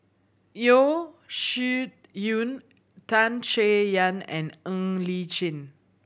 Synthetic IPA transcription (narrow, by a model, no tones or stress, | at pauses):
joʃut̚ | jun | tãnt͡ʃejãnɛ̰̃nõŋlit͡ʃĩn